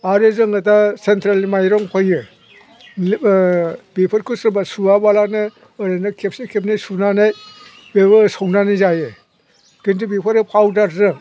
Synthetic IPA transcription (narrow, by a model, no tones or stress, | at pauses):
aɾɯzɯŋɯtasentɾalmajɾɔŋpʰajɯ | bipʰɯɾkʰusɾɯbasuabalanɯ | ɯɾenakʰep̚sikʰep̚najsunanaj | bebɯsownanɯjzajɯ | kintʰubipʰaɾɯpʰawdaɾzɯŋ